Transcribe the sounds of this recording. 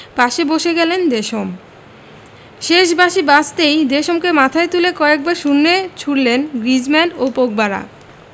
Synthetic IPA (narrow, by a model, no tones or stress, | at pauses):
baʃeboʃeɡɛlend̪eʃom | ʃeʃ̬baʃibad͡ʑt̪ejd̪eʃomkemat̪ʰaet̪ulekɔek̚baɾʃunːet͡ɕʰuɽlenɡɾid͡ʑmɛnɖopok̚baɾa̰